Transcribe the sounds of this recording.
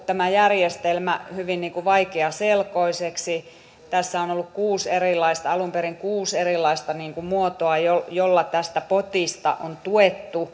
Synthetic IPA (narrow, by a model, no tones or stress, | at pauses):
t̪æmæjærjest̪elmæhyʋinniːŋkuʋɑikeɑselkoiseksi | t̪æsːæonolːukkuːserilːˑɑist̪ɑɑlumperiŋkuːserilːˑɑist̪ɑniːŋkumuot̪oɑjojolːɑt̪æst̪æpot̪ist̪ɑ̰ʔont̪uet̪ːu